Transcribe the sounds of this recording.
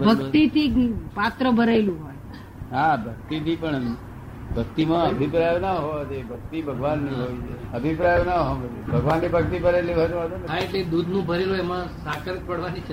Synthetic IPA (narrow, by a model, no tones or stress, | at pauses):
bbʱəkt̪it̪ipat̪ɾəbʱəɾaelũɦoj | ɦabʱək̚t̪it̪ʰipəɳ | bʱəkt̪imãəbʱipɾajonaɦoʋat͡ʃebʱək̚t̪ibʱəɡʋanːĩɦoit͡ʃʰeəbʱipɾajonaɦoʋat͡ʃʰebʱəɡʋanːibʱək̚t̪ibəɾelibot̪at̪onɦaeʈled̪ud̪ʱnũbʱəɾeloemãsãkəɾk̚pəɽʋanit͡ʃʰe